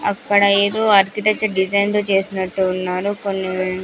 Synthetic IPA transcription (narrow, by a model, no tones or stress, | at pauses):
ɐ̰kːɐɽɐe̞ːd̪o̞ːaːɾkiʈek̚t͡ʃɐɾɖid͡ʒɐjnt̪o̞ːt͡ʃe̞ːsinɐʈːuːnːaːɾuko̞nːiʋeːɳ